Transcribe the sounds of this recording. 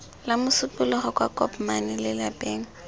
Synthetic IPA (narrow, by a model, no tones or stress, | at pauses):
lamʊsʊpʼʊlɔχɔkʼwakʼɔpmanɪlɪlapʼeːŋ̩